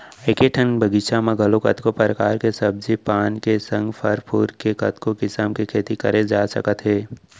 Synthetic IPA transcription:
ekeʈʰənbʱəɡɪʃamẽɡʱɐlokɐt̪kopəɾəkaːɾkesɐb̚d͡ʒipaːnkesɐ̃ŋɡpʰɐɾpʰuːɾkekɐt̪kokɪsəmkikʰeːt̪ikɐɾed͡ʒaːsɐ̰kət̪ɦeː

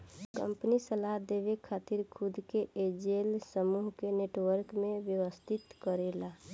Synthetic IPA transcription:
kə̰mpnisəlaɦd̪eβekʰat̪iɾkʰud̪ʱkeʔed͡ʒelsəmuɦkeneʈʋəɾkmebjəʋəst̪ʰit̪kəɾela

